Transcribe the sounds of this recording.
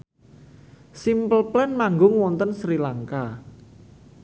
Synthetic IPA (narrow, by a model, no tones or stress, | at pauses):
simpəlplɛnmaŋɡʊŋwɔnt̪ənsɾilaŋka